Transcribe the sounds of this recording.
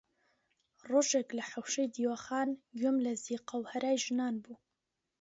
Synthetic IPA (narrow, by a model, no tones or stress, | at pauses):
roːʒeklɐħawʃejd̪iːwɐχaːnɡomlɐziqɑwhɐɾaːjʒɨnaːnbu